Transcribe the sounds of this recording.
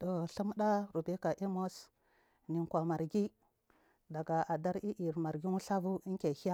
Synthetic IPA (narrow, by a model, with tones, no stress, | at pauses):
to˨ɬu˦mɗa˦ɾu˨be˦ka˨ʔe˦mo˦s | ni˨ŋkʷa˨ma˨ɾɡi˦ | da˨ɡa˨a˨da˦ɾi˦ʔi˨ɾma˨ɾɡi˦ŋu˦ɬa˦vu˦i˦ŋ˦ke˨hi˦a˦